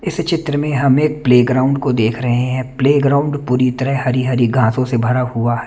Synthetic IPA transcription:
ɪst͡ʃɪt̪ɾəmẽɦɐmeːk̚pleːɡɾaːʊ̃ɳɖkod̪eːkʰɾɐɦeɦɛ̃ːpleːɡɾaːʊ̃ɳɖpuːɾit̪ɐɾəɦɦɐɾiɦɐɾiɡʱãːsõsebʱɐɾahuaɦɛ

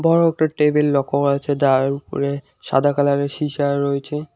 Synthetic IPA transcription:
bɔɾoɛk̚ʈaʈebellɔkʰːoat͡ɕʰed̪aɾupo̰ɾe | ʃa̰d̪ʱakalaɾeʃiʃaɾojt͡ɕʰe

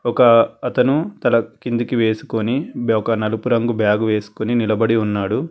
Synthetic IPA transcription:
ɔkɐːt̪ɐnut̪ɐlɐkind̪ikiʋe̞ːsu̥koniɔkɐnɐlupuɾɐŋɡubjaːɡuʋe̞ːsu̥koninilɐbɐɽiunːaːɽu

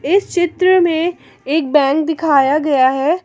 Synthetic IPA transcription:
ɪst͡ʃɪt̪ɾəmẽ | eːk̚bɛ̃ːŋk̚d̪ɪkʰaːjaɡɐjaɦɛː

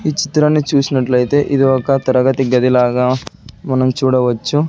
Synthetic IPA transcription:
iːt͡ʃi̥t̪ɾaːnːit͡ʃuːsinɐʈlɐjit̪e̞ːʔid̪iɔkɐt̪ɐɾɐɡɐt̪iɡɐd̪ilaːɡaːmɐnɐmt͡ʃuːɽɐʋɐt͡ʃːu

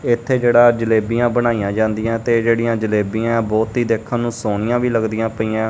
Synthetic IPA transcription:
ɪt̪ʰːeːd͡ʒeːɽaːd͡ʒəleːbijãːbənaːijãːd͡ʒãːnd̪ijãːt̪eːd͡ʒeːɽɪjãːd͡ʒəleːbiːãːbɔːt̪ɦiːd̪eːkʰːãːnũːsoːnɪjãːʋiːləɡd̪ɪjãːpəiːãː

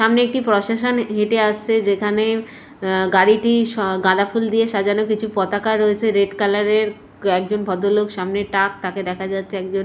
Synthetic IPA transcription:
ʃamneek̚ʈipɾoʃaʃonɦeʈeaʃt͡ɕʰed͡ʑekʰane | ɡaɾiʈiʃɡãd̪afuld̪ieʃad͡ʑanokit͡ɕʰupɔt̪akaɾːoet͡ɕʰeɾeʈkalaɾeɾ | ɛk̚d͡ʑonbʱɔd̪olokʃamneʈak̚t̪aked̪ɛkʰad͡ʑatːɕʰeɛk̚d͡ʑon

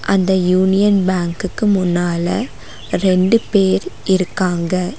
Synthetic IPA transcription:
ʔɐnd̪ɐjuːnɪjɐnbaːŋkɯkːɯmʊnːaːlɐ | ɾɛɳɖɯpeːɾʔɪɾɯkːaːŋɡɐ

